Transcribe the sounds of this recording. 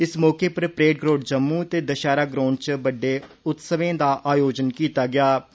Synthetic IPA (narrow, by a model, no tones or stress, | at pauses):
ɪsmɔːkeːpəɾpɾeːʈ̚ɡɾoːʈ̚d͡ʒəmːuːt̪eːd̪əʃaːɾaːɡɾoːɳt͡ʃbəɖːeː | ʊt̪səʋẽːd̪aːʔaːjoːd͡ʒənkiːt̪aːɡɪaː